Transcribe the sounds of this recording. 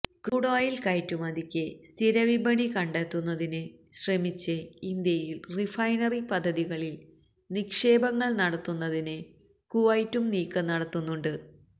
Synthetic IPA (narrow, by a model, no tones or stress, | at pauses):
kruɽaːjilkɐjtːumɐd̪ikʲːɨst̪ʰiɾɐʋibʱɐɳikɐɳɖeːt̪ːunːɐðinɨɕrɐmit͡ɕːɨind̪jɐjilrifɐjnɐripɐd̪ʱːɐðiɣɐɭil | nikʂe̞ːbɐŋːɐɭnɐɽɐt̪ːunːɐðinɨ | kuʋɐjtːumniːkːɨnɐɽɐt̪ːunːuɳɖɨ